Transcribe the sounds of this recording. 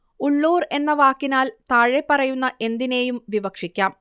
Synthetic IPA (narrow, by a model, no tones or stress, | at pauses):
uɭːoːre̞nːɐʋaːkːinaːlt̪aːɻe̞pːɐrɐjunːɐʔe̞nd̪ine̞ːjumʋibɐkʂikʲːaːm